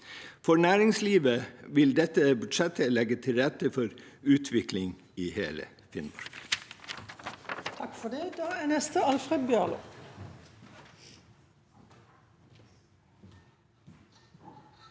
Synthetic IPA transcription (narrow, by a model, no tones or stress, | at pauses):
fɔnæːɾɪŋsliːʋəʋɪld̪ɛt̪əbʉd̪ʃɛt̪ʰəlɛɡət̪ʰɪlɾɛt̪əfɔɾʉːt̪ʰʋɪklɪŋ | iːhḛːlə̰ | fɪnmɑ̰ɹɡ̥ | t̪ʰɑkfɔɖ̪eːd̪ɑːæːnɛst̪əɑlfʁeːd̪̚bjɑːlʊ̰